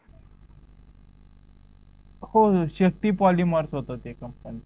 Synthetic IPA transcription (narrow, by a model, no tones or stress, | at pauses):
hoɕək̚t̪iːpɔliːməɾt͡sɦot̪ot̪ekəmpan